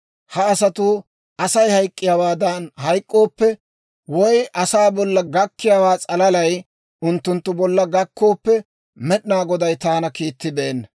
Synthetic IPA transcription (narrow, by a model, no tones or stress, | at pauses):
hɐɐsɐt̪ʊ | ʔɐsɐjhɐjkʼːɪjaːwaːd̪ɐnhɐjkʼːo̞ːpːɛ | wɔjʔɐsaːbɔlːɐɡɐkːɪjaːwaːt͡sʼɐlɐlɐj | ʊnt̪ːʊnt̪ːʊbɔlːɐɡɐkʰːo̞ːpːɛ | mɛɗnaːɡɔd̪ɐjt̪aːnɐkiːt̪ːɪbeːnːɐ